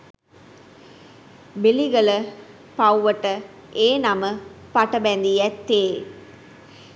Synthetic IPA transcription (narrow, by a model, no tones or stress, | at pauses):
biliɡɐlə | pɐwʋəʈə | eːnaməpɐʈɐbɛnd̪ijɛt̪ːeː